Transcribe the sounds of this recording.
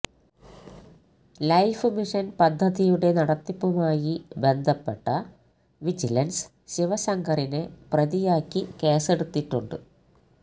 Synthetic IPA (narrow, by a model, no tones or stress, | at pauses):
lɐjfɨmiʂɐnpɐd̪ʱːɐðijuɽe̞nɐɽɐt̪ːipːumaːjibe̞nd̪ʱɐpːe̞ʈːɐ | ʋid͡ʑilɐns | ɕiʋɐsɐŋɡʱɐɾineprɐðijaːkːikeːse̞ɽut̪ːiʈːuɳɖɨ̰